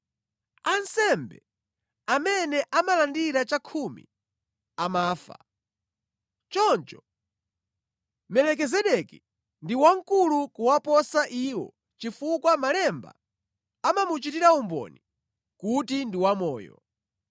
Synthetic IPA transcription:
ansɛmbɛ̰ | amɛnɛʔamalandiɾat͡ʃakʰumḭ | amaːfa̰ | t͡ʃɔnt͡ʃɔ̥ | mɛlɛk̬ɛzɛɗɛki | ndiwaŋ̩kulukuwapɔsaʔiwɔ̰ | t͡ʃifukwamalɛmba̰ | amamut͡ʃitiɾaumbɔ̰ni | kutindiwamɔːjɔ̰

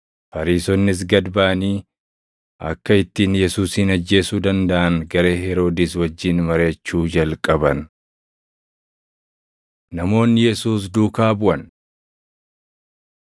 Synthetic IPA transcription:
fɐɾiːsɔnːɪs̬ɡɐd̪baːɐniː | ʔɐ̰kːɐɪt̪ːiːnjɛsuːsɪnɐd͡ʒːe̞ːsuːd̪ɐnd̪ɐʔɐnɡɐɾe̞ːhɛɾo̞ːd̪ɪswɐd͡ʒːɪnmɐɾeːt͡ʃːuːd͡ʒɐlkʼɐbɐn | nɐmo̞ːnːɪjɛsuːs̬d̪uːkaːbʊʔɐn

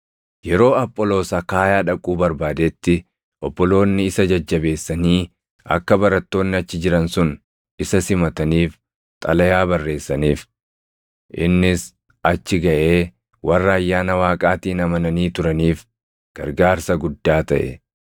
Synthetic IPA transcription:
jɛɾo̞ːɐpʼːɔlo̞ːsɐkaːjaːᶑɐkʼuːbɐɾbaːd̪eːt̪ːɪ | ʔɔbːɔlo̞ːnːɪɪsɐd͡ʒɐd͡ʒːɐbe̞ːsːɐniː | ɐ̰kːɐbɐɾɐt̪ːo̞ːnːɪɐt͡ʃːɪd͡ʒɪɾɐnsʊn | ɪsɐsɪmɐt̪ɐniːf | t̪ʼɐlɐjaːbɐrːe̞ːsːɐniːf | ʔɪnːɪs | ɐt͡ʃːɪɡɐʔe̞ː | wɐrːɐːjːaːnɐwaːkʼaːt̪iːnɐmɐnɐniːt̪ʊɾɐniːf | ɡ̥ɐɾɡaːɾsɐɡʊd̪ːaːt̪ɐʔɛ̰

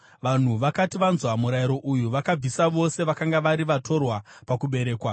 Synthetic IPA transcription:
ʋan̤uʋakatiʋanzwamuɾajiɾo̞ʔujuʋakab͡visaʋo̞se̞ʋakaŋɡaʋaɾiʋatʰo̞rwapakuɓe̞ɾe̞ːkwa

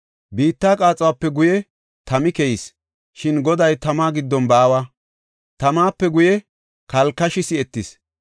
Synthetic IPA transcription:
biːt̪ːaːkʼaːt͡sʼɐwapːɛɡʊjɛ | t̪ɐmɪkɛjis | ʃɪnɡɔd̪ɐjt̪ɐmaːɡɪd̪ːɔnbaːwa | t̪ɐmaːpːɛɡʊjɛ | kɐlkːɐʃɪsɪɛt̪ːɪs

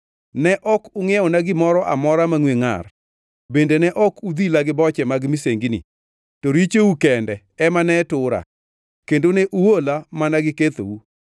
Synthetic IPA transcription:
nɛʔɔkʊŋɛɔnaɡɪmɔɾɔʔa̰mɔɾamaŋweŋa̰r | bendenɛʔɔkud̪ilaɡɪbɔt͡ʃɛmaɡmiseŋɡinḭ | tɔɾit͡ʃeukɛndɛ | ɛmanɛtʊɾa̰ | kendoneʔuwolamanaɡɪket̪o̰wu

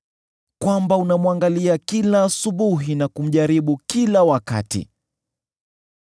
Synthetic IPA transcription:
kwambaunamwaŋɡaliakilaːsuɓuɦinakum̩ʄaɾiɓukilawaka̰tḭ

